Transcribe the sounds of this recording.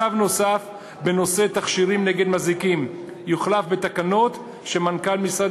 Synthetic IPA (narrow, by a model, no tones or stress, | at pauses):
avno̞saf | be̞no̞set̪aχʃiʁimneɡe̞d̪mazikim | juχlafbet̪akano̞t̪ | ʃe̞mankalmisad